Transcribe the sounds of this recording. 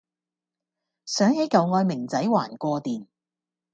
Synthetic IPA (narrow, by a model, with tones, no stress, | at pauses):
sœː˨˥ŋhe˨˥jkɐ˨wŋɔː˧jmɪ˨˩ŋt͡sɐ˨˥jwa̰ː˨˩nkʷɔː˧t̪iː˨n